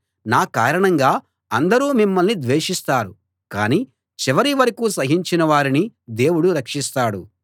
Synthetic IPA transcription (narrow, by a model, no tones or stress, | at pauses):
naːkaːɾɐɳɐŋɡaː | ɐnd̪ɐɾuːmimːɐlnid̪ʋeːʂist̪aːɾu | ka̰ːniː | t͡ʃiʋɐɾiʋɐɾikuːsɐɦiɲt͡ʃinɐʋaːɾinid̪e̞ːwuɽuɾɐkʂist̪aːɽu